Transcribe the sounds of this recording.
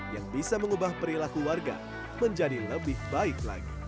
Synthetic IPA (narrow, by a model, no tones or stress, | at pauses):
jaŋbisaməŋubahpəɾilakuwarɡa̰ | məɲd͡ʒadiləbɪhbaɪkla̰ɡḭ